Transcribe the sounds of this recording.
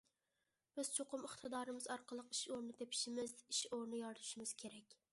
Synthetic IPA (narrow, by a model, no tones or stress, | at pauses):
b̥ɪz̥t͡ʃʰoqʊmɪχt̪ʰɨd̪ɑːɾɨmɪzɒɾqʰəlˠɨqiʃoɾnɪt̪ʰepʰɪ̥ʃɪmɪzɪʃoɾnɪjɑɾt̪ʰu̥ʃɪmɪz̥kʲʰeɾɛkʲ